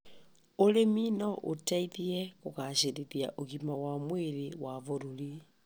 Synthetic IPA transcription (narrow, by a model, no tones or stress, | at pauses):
oɾeminɔʔo̰taiðiɛɣoɣaɕeɾiðia̰ʔoɣimawamweɾewavoɾuɾi